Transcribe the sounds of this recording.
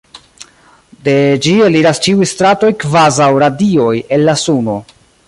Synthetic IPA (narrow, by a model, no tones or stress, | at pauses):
de̞d͡ʒieliɾast͡ʃiujstɾato̞jkvazawɾadio̞je̞nlːasuno̞